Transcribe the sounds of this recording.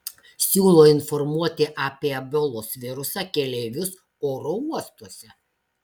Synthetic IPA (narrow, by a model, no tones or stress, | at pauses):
sʲuːlˠoːɪnfɔɾmuɔt̪ʲɪʔaːpʲiɛɐbʲɔlˠoːsʋʲɪɾʊsɑːkʲɛlʲɛːʋʲʊs | oːɾouɔst̪uɔsʲɛ